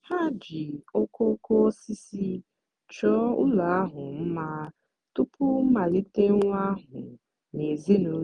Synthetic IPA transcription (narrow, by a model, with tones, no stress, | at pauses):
ha˦d͡ʒi˨o˦ko˦ko˦si˦si˦ | t͡ʃɔ˦ʊ˦la˨a˦ɦʊ˨m̩˦ma˦ | tʊ˦pʊ˦ma˨li˦te˦ŋʷ˦a˦ɦʊ˨ | ne˨zi˦nu˨˦